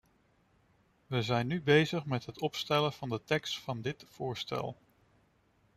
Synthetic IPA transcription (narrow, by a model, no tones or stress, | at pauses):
ʋəzɛjnːybejzəχmɛtɦətɔpstɛləv̥ɑndətɛkstfɑndɪtfʊːɹstɛ̰lˠ